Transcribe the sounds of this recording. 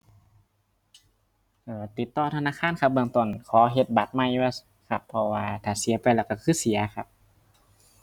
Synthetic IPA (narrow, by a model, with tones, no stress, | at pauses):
ʔɤː˧˩t̪i˨˩t̪ːɔː˧˩t̪ʰa˧naː˧˥˨kʰaː˧˥˨nkʰa˧p̚bɯ˧əŋt̪o˧˩nkʰɔː˨˦ɦe˧t̪̚ba˨˩t̪̚ma˧˩˨j | kʰa˧˩pʰːɔ˧waː˧t̪ʰaː˨˩si˨˩˦pa˧jlɛː˧˩wka˧˩kʰɯː˧˥˨si˨˦ɐkʰa˧p̚